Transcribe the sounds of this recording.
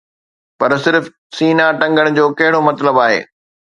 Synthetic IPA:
pɐɾsɪɾf | siːnaʈɐ̃ŋɡəɽ̃d͡ʑoːkɐɦɪɽomɐt̪ləbaːɦḛː

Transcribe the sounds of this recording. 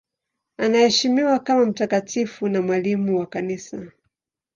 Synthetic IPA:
anahɛʃimiwakamam̩takatʰifunamwalimuwakanisa

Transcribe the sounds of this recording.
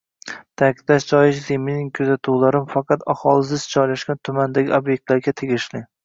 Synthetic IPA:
t̪ʰakʲɪd̪laʃd͡ʒɒjɪʃzemɪnɪŋkʲʰɵzat̪ʰuwlaɾɪmfɑqʰɑt̪ahɒlˠɪsɪzd͡ʒɒjlaʃkʲant̪ʰʊmand̪aɡʲiobjek̚t̪laɾɡʲat̪ʰe̞ɡʲɪʃlɪ

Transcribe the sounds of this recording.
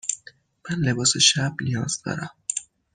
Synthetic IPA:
mænle̞bɒːse̞ʃæbnijɒːz̥d̪ɒ̰ːɾæm

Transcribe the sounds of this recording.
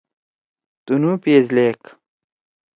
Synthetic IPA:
t̪unupeːzleːk

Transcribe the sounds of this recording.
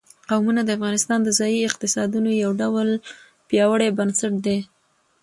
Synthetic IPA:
qawmunad̪əafɣɑnɪst̪ɑnd̪əzɑjiɪq̚t̪ɪsɑd̪unojawɖawəl | pjɑwəɽebənsaʈ̚d̪e

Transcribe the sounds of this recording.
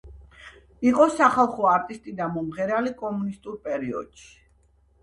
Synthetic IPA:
iqʼɔsaχalˠχɔaɾt̪ʼist̪ʼid̪amɔmʁɛɾalikʼɔmunist̪ʼuɾpʼɛɾiɔ̰d̪̥ʃi̥

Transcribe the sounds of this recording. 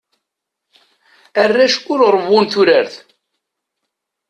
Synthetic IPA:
ərːæʃkʊɾɾˤəvːunθuɾəɾθ

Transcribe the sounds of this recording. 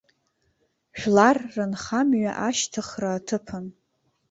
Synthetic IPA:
ʃᶣlarːɨnχamɥa̰ʔaʃtʰɨχraːtʰɨpʰɨn

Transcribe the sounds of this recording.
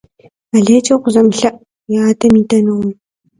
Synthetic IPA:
ɐɮeːt͡ʃʼɐqʷʊzɐmɬɐʔ | jaːtʰɐmiːtʰɐnɨʁi

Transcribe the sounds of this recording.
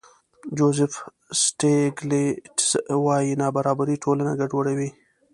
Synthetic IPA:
d͡ʒozɪf | sʈeɡleswɑjinɑbaɾɑbaɾiʈolana̰ɡaɖwaɽawi

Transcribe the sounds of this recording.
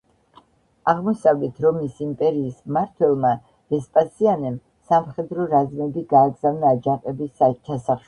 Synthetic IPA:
aʁmɔsavlɛt̪ʰɾɔmisimpʼɛɾiːsmaɾt̪ʰwɛlˠma | ɾ̥ɛspʼasianɛm | samχɛd̪ɾɔɾazmɛbiɡaːɡzavnaːd͡ʒaqʼɛbist͡ʃʰasaχ

